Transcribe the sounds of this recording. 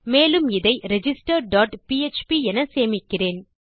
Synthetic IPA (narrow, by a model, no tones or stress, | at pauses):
meːlɯmɪðɐɪɾɛd͡ʒɪsʈɐɾɖaːʈpiɛt͡ʃpiɛnɐseːmɪkːɪreːn